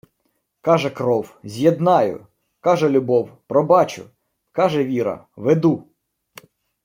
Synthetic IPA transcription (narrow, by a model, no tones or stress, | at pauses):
kɑʒɛkɾɔwzʲjed̪nɑjʊ̰ | kɑʒɛlʲʊbɔwpɾɔbɑt͡ʃʊ̰ | kɑʒɛʋʲiɾɐ̰ʋed̪u